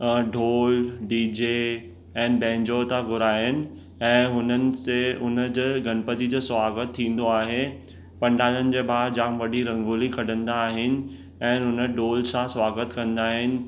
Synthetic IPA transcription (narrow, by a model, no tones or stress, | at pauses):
ɖʱoːlɖiːd͡ʑe | ɛ̃ːnbɛ̃ːɲd͡ʑot̪aɡʱʊɾaːɦɪnɪ̆ | ɛ̃ːɦʊnənɪ̆seʊnə̆d͡ʑəɡʱɐnpət̪id͡ʑoːswaːɡət̪ʰːĩːn̆d̪oaːɦe | pɐ̃ɳɖaːlənɪ̆d͡ʑeːbʱaːɾd͡ʑãʋɐɗiɾɐ̃ŋɡoːlikʰɐɽə̃nd̪aːɦɪnɪ̆ | ɛ̃ːɦʊnə̆ɖoːlsãswaːɡət̪kɐ̃nd̪aːɦɪnɪ̆